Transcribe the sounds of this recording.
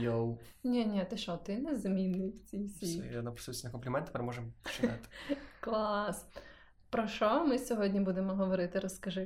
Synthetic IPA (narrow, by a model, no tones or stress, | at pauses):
jow | nʲɛnʲiɐt̪ɪʃɔt̪ɪnɛzmʲinːɪjwt͡sʲijsʲinɐpɾ̥susʲnɐkɔmplʲɪmɛnt̪ɪ̥peɾemɔʒemt͡ʃɪnat̪ɪ̥klˠas | pɾɔʃɔmɪsʲɔɦɔdʲnʲibud̪emɔɦɔʋɔɾɪt̪ɪɾɔskɐʒɪ